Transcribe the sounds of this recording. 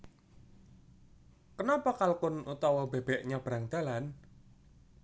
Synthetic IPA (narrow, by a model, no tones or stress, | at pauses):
kənapakalkʊnut̪ɔwɔbe̤b̥ɛʔɲab̥ɾaŋd̪̥a̤lan